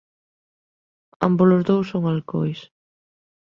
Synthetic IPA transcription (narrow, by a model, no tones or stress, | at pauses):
a̰mbolozðowsoŋalko̰js